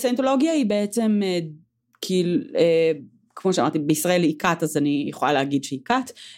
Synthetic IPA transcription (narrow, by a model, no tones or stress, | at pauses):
sentolo̞ɡjaibeet͡seme | kʰiilue | kmoʃeamaʁtibeisʁae̞likatazanijeχola̰leaɡidʃeikat